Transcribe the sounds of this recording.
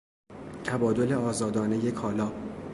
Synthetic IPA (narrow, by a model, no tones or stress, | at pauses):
t̪ʰæbɒːd̪o̞le̞ɒːzɒːd̪ɒːne̞je̞kʰɒːlɒː